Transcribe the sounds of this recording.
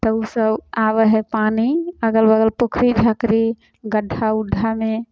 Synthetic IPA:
t̪əusəbabəɦɛpaniəɡəlbəɡəlpokʰɾid͡ʒʱakɾi | ɡəɖʱːaud̪ʱːame

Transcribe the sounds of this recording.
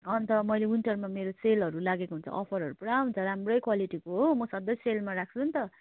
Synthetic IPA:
ʌnt̪ʌmʌjlewinʈʌrmameɾoselɦʌɾulaɡekoɦunt͡sʰʌ̰ʔʌpʰʌɾɦʌɾupuɽaɦunt͡sʰʌɾamrʌjkwaliʈikoɦomʌsʌd̪ʌjselmaɾak̚ʰt͡sʰunt̪ʌ

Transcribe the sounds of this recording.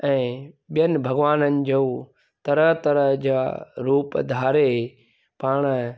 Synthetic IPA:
ɛ̃ːɓijənɪ̆bʱɐɡʋaːnənɪ̆d͡ʑoː | t̪ɐɾəɦt̪ɐɾəɦd͡ʑaːɾuːpd̪ʱaːɾe | paːɽ̃

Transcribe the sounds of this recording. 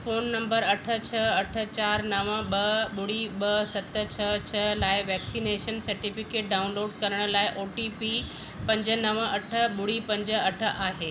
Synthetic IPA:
foːnːɐ̃mbəɾɐʈʰə̆t͡ɕʰɐɐʈʰə̆t͡ɕaːɾnɐʋə̃ɓɐɓʊɽiɓɐsɐt̪t͡ɕʰɐt͡ɕʰɐlaːɪʋɛːksineːʃənsɐɾʈifɪkeːʈ̚ɖaːʊ̃nloːɖkɐɾəɽ̃̆laːɪʔoːʈipi | pɐ̃ɲd͡ʑənɐʋəɐʈʰə̆ɓʊɽipɐ̃ɲd͡ʑəɐʈʰə̆ʔaːɦeː

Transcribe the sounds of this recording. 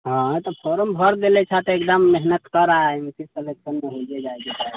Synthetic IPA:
ɦãt̪əpʰoɾəmbʱəɾd̪elɛt͡ʃʰat̪ekd̪əmːeɦnət̪kəɾaempʰisseleksənmeɦod͡ʒɛd͡ʒaeɡet͡ʃa

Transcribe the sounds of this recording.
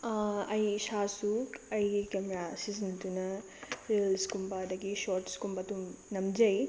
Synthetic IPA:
ɐjʃaːsuːkɐjkɐmɾasisɐnt̪unɐ | ɾelskumbɐd̪ɐɡiʃoːɾʈskumbɐt̪umnɐmd͡ʒɐj

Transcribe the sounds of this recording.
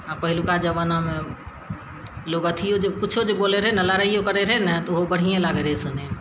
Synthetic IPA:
apəɦɪlukad͡ʒəbənamẽ | loːɡət̪ʰijod͡ʒekʊt͡ʃʰod͡ʒeboːleɾəɦenəlaɾəijokəɾeɾəɦnət̪oɦobəɽ̤ijẽlaɡeɾesʊne

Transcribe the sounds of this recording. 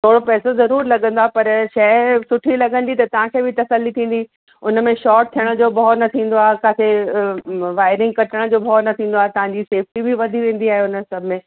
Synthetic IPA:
t̪ʰoːɽopɛːsozɐɾuːɾlɐɠə̃nd̪oaːepɐɾʃɐsʊʈʰilɐɡə̃n̆d̪it̪ɐt̪ɐʋ̤ãkʰeːbʱɪt̪ɐsəlːit̪ʰĩːn̆d̪i | ʊn̆mẽʃɔːɾʈ̚t̪ʰijəɽ̃əd͡ʑoːbʱɔnɐt̪ʰĩːn̆d̪oaːɦekaːse | ʋaːɪɾɪ̃ŋɡ̚kɐʈəɽ̃̆d͡ʑoːbʱɔːnɐt̪ʰĩːn̆d̪oaːɦet̪ɐʋãɲd͡ʑiseːfʈibʱɪʋɐd̪ʱiʋẽːn̆d̪iaːɦeʊnəsɐbʱɪmẽː

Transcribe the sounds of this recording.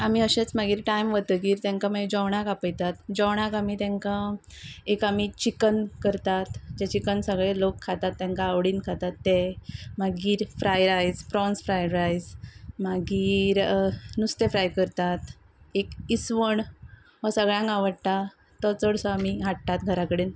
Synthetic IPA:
amiəɕet͡smaɡiːɾʈajmʋət̪ək̬iːɾt̪ɛ̃ŋkamad͡ʑɔwɳakapəjt̪at̪d͡ʑɔwɳ̃akamiːt̪ɛ̃ŋkã | ekamit͡ɕikənkəɾt̪at̪d͡ʑet͡ɕikənsəɡɭelokʰːat̪at̪ːɛ̃ŋkaːʋɽiːnkʰat̪at̪ːemaɡiːɾfɾajɾajd͡zfɾɔnsfɾajɾajd͡zmaɡiːɾnust̪efɾajkəɾt̪at̪ | ekisʋəɳ | ʋɔsəɡɭjãŋkaʋəɽt̪a | t̪ɔt͡səɽsɔamiɦaʈ̚t̪at̪ɡʱəɾakəɽeːn

